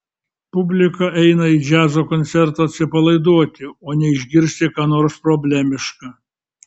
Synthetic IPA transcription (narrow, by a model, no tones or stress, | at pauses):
pʊbʲlʲɪkɐʔɛɪnɐid͡ʒʲæːzoːkoɔnʲt̪sʲɛɾt̪oɐt̪ʲsʲɪpɐlˠɐɪd̪uɔt̪ʲɪoːnʲɛɪʒʲɡʲɪɾʲsʲt̪ʲɪkɑːnoːɾspɾobʲlʲæmʲɪʃkɑ